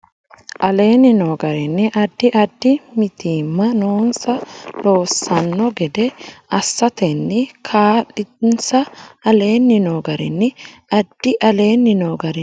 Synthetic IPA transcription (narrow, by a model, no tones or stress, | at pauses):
ʔɐle̞ːnːɪnoːɡɐɾɛnːɪʔɐd̪ːɪʔɐd̪ːɪmɪt̪iːmːɐnoːnsɐlo̞ːsːɐnːɔɡɛd̪ɛɐsːɐt̪ɛnːɪkʰaːᶑɪnsɐɐle̞ːnːɪnoːɡɐɾɛnːɪɐd̪̥ːɪʔɐle̞ːnːɪnoːɡɐɾɛ